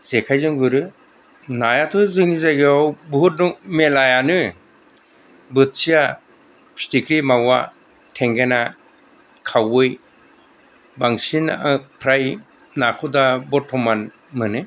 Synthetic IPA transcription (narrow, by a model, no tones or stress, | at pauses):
z̥ekʰajzɔŋɡɯɾɯ | najatʰɔzɯnizaɡiawbɦut̚nuŋmelajanɯ | bɯt̚sija | pʰi̥stikɾimawa̰ | tʰeŋɡena | kʰawɯj | baŋsinapʰɾaj | nakʰɔdabɔtʰːɔman | mɯnɯ